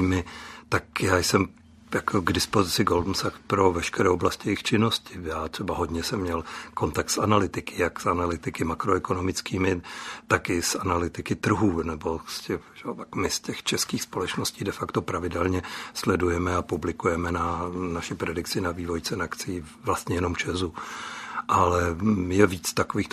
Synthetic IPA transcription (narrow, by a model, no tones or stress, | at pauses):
mɪt̪akjaːjsɛm | jakʰoɡdɪspo̞zɪt͡sɪɡoldm̩sakpɾo̞vɛʃkɛɾɛːʔoblascɪjɛjɪxt͡ʃɪno̞scɪjaːt̪r̝̥ɛbaɦo̞dɲɛsɛmːɲɛlko̞nt̪ak̚t̪sanalɪt̪ɪkʰɪjaksʔanalɪt̪ɪkɪmakɾoɛko̞no̞mɪt͡skiːmɪt̪akɪsanalɪt̪ɪkɪt̪r̩ɦuːnɛbo̞scɛxʒɛotakmɪscɛxt͡ʃɛskiːxspo̞lɛt͡ʃnosciːdɛfakt̪o̞pɾavɪdɛlɲɛslɛdujɛmɛapublɪkujɛmɛnanaʃɪpɾɛdɪkt͡sɪnaviːvo̞jt͡sɛnakt͡sɪːvlast̪ɲɛjɛno̞mt͡ʃɛzu | ʔalɛjɛviːt͡st̪akoviːx